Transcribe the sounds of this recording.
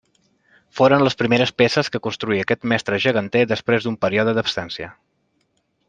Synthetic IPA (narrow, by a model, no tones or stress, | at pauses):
foɾənləspɾimeɾəspesəskəkunst̪ɾuiəkɛt̪mɛst̪ɾəʒəɣ̞ənt̪ed̪əspɾezd̪umpəɾiɔðəd̪əpst̪ansiə̰